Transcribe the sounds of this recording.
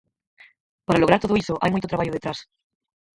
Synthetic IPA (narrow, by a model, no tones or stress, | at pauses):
paɾaloɣaɾt̪ooisoʔa̰jmujt̪ot̪ɾaβaʎoðet̪ɾas